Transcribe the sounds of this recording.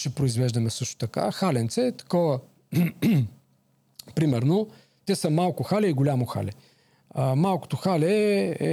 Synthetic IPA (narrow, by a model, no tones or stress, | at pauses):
ʃɛpɾoizvɛʒd̪ɐmɛsɤʃt̪o̥t̪ɐka̰xalɛnt̪sɛt̪ɐ̥kɔvɐ | pɾimɛɾno | t̪ʲɛsəmalˠkʊxalʲɛiɡolʲamoxa̰lʲɛ | əmalˠko̥t̪oxalɛɛ̰